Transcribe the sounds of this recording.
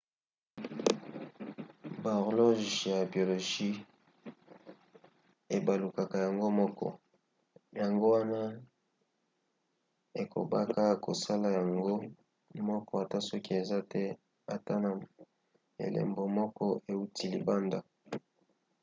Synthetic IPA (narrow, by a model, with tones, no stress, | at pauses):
ba˨ʁlo˦ʒja˨bi˨o˨lo˨ʒi˦ | e˨ba˨lu˨ka˨ka˨ja˨ŋɡo˦mɔ˦kɔ̰˦ | ja˨ŋɡo˦wa˦na˦ | e˨kʰo̰˨ba˦ka˦˨ko˨sa˦la˨ja˨ŋɡo˦ | mɔ˦kɔ˦a˨ta˦sɔ˦ki˦e˨za˦tɛ˦ | a˨ta˦na˨ | ḛ˨lḛ˨mbo˨mɔ˦kɔ˦e˨u˦ti˨lḭ˨ba˦nda˨